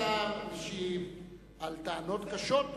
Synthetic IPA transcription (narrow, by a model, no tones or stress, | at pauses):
aiʃi | alt̪anot̪kaʃot̪̚